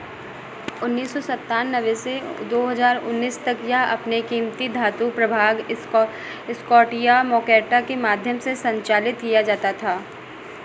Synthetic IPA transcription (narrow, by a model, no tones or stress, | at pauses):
ʊnːiːsːɔsɐt̪ːaːnːəʋesed̪oːɦɐzaːɾʊ̰nːiːst̪ɐkjɐɦɐ̰pnekiːmt̪id̪ʱaːt̪upɾɐbʱaːɡ | ɪskɔːʈijamɔːkɛːʈakemaːd̪ʱjəmsesɐ̃ɲt͡ʃaːlɪt̪kijad͡ʒaːt̪at̪ʰaː